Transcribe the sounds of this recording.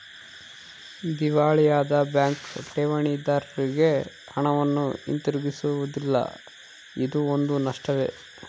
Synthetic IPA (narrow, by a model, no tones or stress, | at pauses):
d̪iʋaːɭijaːd̪ɐbjaːŋkʈeːʋɐɳid̪aːɾɐɾiɡe̞ | hɐɳɐʋɐnːuḭnt̪iɾuɡisuʋud̪ilːɐ̰ | id̪uond̪unɐʂʈɐʋḛ